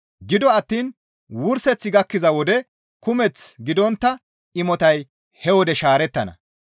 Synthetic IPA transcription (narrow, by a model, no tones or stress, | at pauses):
ɡɪd̪ɔɐt̪ːiːn | wʊɾsɛt͡sːɪɡɐkːɪzɐwɔd̪ɛ | kʊmɛt͡sɡɪd̪ɔnt̪ːɐ | ɪmɔt̪ɐj | hɛwɔd̪ɛʃaːɾɛt̪ːɐnɐ̰